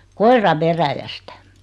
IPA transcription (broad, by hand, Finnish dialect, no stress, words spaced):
koirɑ ʋeræjæstæ̥